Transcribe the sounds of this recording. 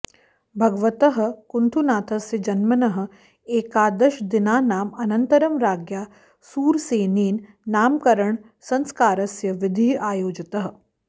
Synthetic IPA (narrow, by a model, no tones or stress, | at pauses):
bʱɐɡʋɐt̪ɐɦɐ̆kunt̪ʰunaːt̪ʰɐsjɐd͡ʒɐnmɐnɐɦɐ̆ | eːkaːd̪ɐʃd̪ɪnaːnaːmɐnɐnt̪ɐɾɐmɾaːɡjaː | suːɾseːniːnː | aːmkɐɾɐɳ | sɐ̃nskaːɾɐsjɐʋɪd̪ʱiːaːjoːd͡ʒɐt̪ɐɦɐ̆